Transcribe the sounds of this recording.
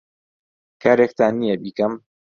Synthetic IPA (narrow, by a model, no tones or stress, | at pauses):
kʰaːɾek̚t̪aːnijebiːkɐm